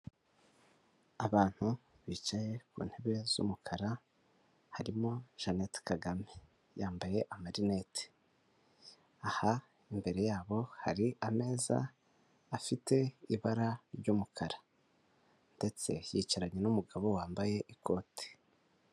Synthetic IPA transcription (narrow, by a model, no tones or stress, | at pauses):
aβaːn̥hu | βiːt͡ʃaje̞kṵːn̥he̞βe̞z̥ṵmukʰaɾa | haɾimoʒ̥anetkaɡame | jaːmbaje̞ʔamaɾine̞te̥ | aha | imbe̞ɾe̞jaːβo̞haɾiame̞ːza̰ː | fitʰe̞iβaɾaɾɟumukʰaɾa | nde̞t͡se̞̰jiːcaɾaɲenumuɡaβo̞waːmbaje̞ʔikʰo̞ːti̥